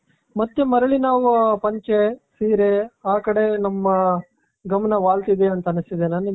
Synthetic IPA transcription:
mɐt̪ːemɐɾɐɭinaːʋupɐɲt͡ʃesiːɾeaːkɐɽe̞nɐmːɐ | ɡɐmɐnɐʋaːlt̪id̪eɐnt̪ɐnisid̪enaːni

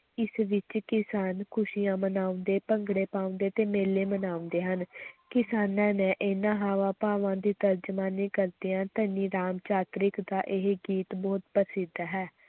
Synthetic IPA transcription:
ɪsʋɪt͡ʃkɪsaːnkʰʊʃijãːmənaːʊ̃nd̪eːpəŋɡɽeːpaːʊ̃nd̪eːt̪eːmeːleːmənaːʊ̃nd̪eːɦənkɪsaːnãːnɛ̃ːʔeːnãːɦaːʋãːpaːʋãːd̪iːt̪əɾd͡ʒmaːnẽːkəɾd̪ijãːt̪əniːɾaːmt͡ʃaːt̪ɾɪkd̪aːʔɪɦɡiːt̪bɔːt̪pəsɪd̪ɦɛː

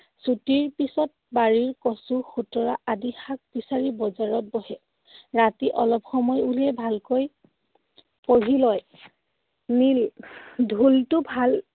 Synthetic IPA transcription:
sutiɹpisɔt̚baɹiɹkɔsuxutɔɹaʔadixak̚bisaɹibɔzaɹɔt̚bɔɦɛ | ɹatiʔɔlɔpxɔmɔjuliɛbʱalkoj | poɹilɔj | nildʱultʊbʱal

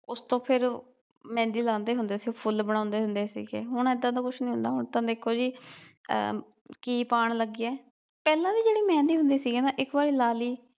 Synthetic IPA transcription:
ʊst̪õːpʰɪɾ | mɛ̃ːnd̪iːlãːnd̪eːɦʊnd̪eːsiːpʰʊlbəɽ̃ãːʊnd̪eːɦʊnd̪eːsḭːɡḛːɦʊɳɛːd̪ãːt̪aːkʊt͡ʃʰnĩːɦʊ̃nd̪aːɦʊɳt̪ãːd̪eːkʰoːd͡ʒḭː | kiːpaːɳləɡːiːɛː | pɛːlãːd̪iːd͡ʒeːɽiːmɛ̃ːnd̪iːɦʊ̃nd̪iːsiːɡeːnaːʔɪkbaːɾiːlaːliː

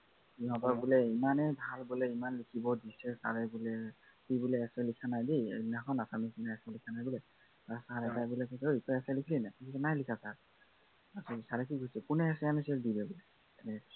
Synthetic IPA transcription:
iɦɔ̃tɔɹbulɛimanɛbʱalbulɛimanlikʰibɔdisɛsa̰ɹɛbulɛ | kibulɛɛsɛlikʰanajdinaxɔnasamisinaɛsɛlikʰanajbulɛ | asaɹɛzajbulɛkɔsojkɔɛsɛlikʰilinakikʰisɛnajlikʰasaɹ | asɛsaɹɛkiɡʱusɛkunɛɛsɛanɛsɛɹdilɛbulɛ | ɛnɛ

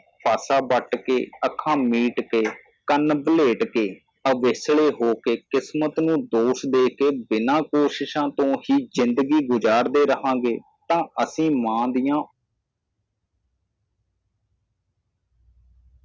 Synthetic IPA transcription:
paːsaːbəʈkḛːəkʰːãːmiːʈkeː | kənbəleːʈkeː | əʋɪsɭeːɦoːkeːkɪsmət̪nũːd̪oːsd̪eːkeːbɪnãːkoːʃɪʃãːt̪õːhiːzɪnd̪əɡiːɡʊd͡ʒaːɾd̪eːɾəɦãːɡeː | t̪ãːəsĩːmãːd̪ɪjãː

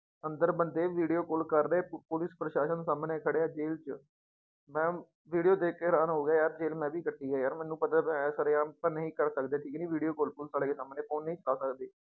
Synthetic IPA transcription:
ənd̪əɾbənd̪eːʋiːɖijoːkolkəɾːeːpʊlɪspɾəʃaːʃənsaːməneːkʰəɽeːaːd͡ʒeːlt͡ʃə | mɛ̃ː | ʋiːɖijoːd̪eːkːeːɾaːnɦoːɡjaːjaːɾd͡ʒeːlmɛ̃ːʋiːkəʈːiːɡaːjaːɾmɛ̃ːnːũːpət̪aːbsəɾeːãːpənəɦĩːkəɾsəkd̪eːʈʰiːknĩːʋiːɖijoːkolpʊlsaːleːksaːməneːpʰoːnːəĩːt͡ʃəkaːsəkd̪eː

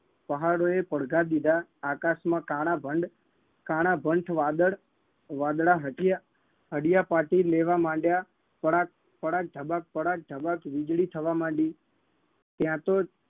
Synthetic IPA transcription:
pəɦaɽoepəɽɡad̪id̪aːkasmãkaːɽabʱəɳɖ | kaːɽ̃abʱəɳʈʰʋad̪əɽ | ʋãːd̪ɽaɦəʈja | ɦəɽɪjapaːʈileʋamãːɳɖja | pəɽak̚ | pəɽak̚ɖ̪ʱəbak̚pəɽak̚ɖ̪ʱəbakʋɪd͡ʒɽit̪ʰəʋamãːɳɖi | t̪jãt̪o

